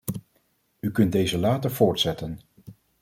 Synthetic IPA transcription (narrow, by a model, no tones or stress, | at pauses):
ykɵnt̚dejzəlaːtəɹv̥ʊːɹtsɛtən